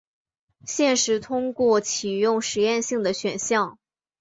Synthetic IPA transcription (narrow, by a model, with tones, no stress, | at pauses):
ɕjɛ˥˩nʂɻ̩˧˥t̪ʰʊ˥ŋkwɔ˥˩t͡ɕʰi˨˩jʊ˥˩ŋʂɻ̩˧˥jɛ˥˧nɕi˥˩ŋd̪ə˩ɕɥɛ˨˩nɕjɑ˥˩ŋ